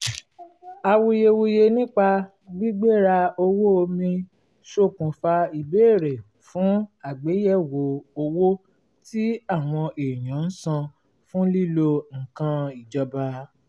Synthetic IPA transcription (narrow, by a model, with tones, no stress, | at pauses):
a˧wu˧je˧wu˧je˧nĩ˦k͡pa˧ | ɡ͡bi˦ɡ͡be˦˨ɾa˧o˧wo˦o˧mĩ˧ | ʃo˦˨kũ˨fa˧i˨be˦˨ɾe˨ | fũ˨˦a˨ɡ͡be˨˦jɛ˦˨wo˨o˧wo˦ | ti˦a˦˨w̃ɔ̃˧ʔe˨j̃ã˨˦n̩˦sã˧ | fũ˦li˦lo˧ŋ̩˨kã˧i˨d͡ʒɔ˧ba˧